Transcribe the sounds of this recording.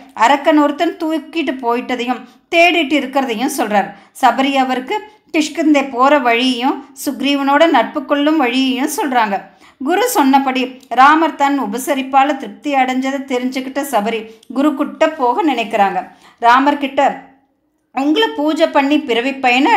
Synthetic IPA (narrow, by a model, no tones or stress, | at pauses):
ɐɾɐkːɐnuɾt̪ːɐnt̪uːkːɪʈːɯpoːjɪʈːɐðɐjʊ̃m | t̪eːɽɪʈːɯɪɾɯkːɪɾɐðɐjʊ̃sɔlraːɾ | sɐbɐɾiɐʋɐɾɯkːɯ | kɪʂkɯnd̪epoːɾɐʋɐɻɪjɐjʊ̃sʊɡɾiːʋɐnoːɽɐnɐʈ̚pɯkːɔɭːɯmʋɐɻɪjɐjʊ̃sɔlraːŋɡɐ | ɡʊɾusɔnːɐpːɐɽiɾaːmɐɾt̪ɐnʊbɐsɐɾɪpːaːlɐt̪ɪɾɯk̚t̪ɪjɐɽɐɲd͡ʒɐðɐt̪ɛɾɪɲd͡ʒɯkːɪʈːɐsɐbɐɾiɡʊɾukʊʈːɐpːoːɣɐnɪnɐɪkːɪɾaːŋɡɐ | ɾaːmɐɾkɪʈːɐ | ʊŋɡɐɭɯpuːd͡ʒɐpːɐɳːipɪɾɐʋɪpːɐjɐnɐ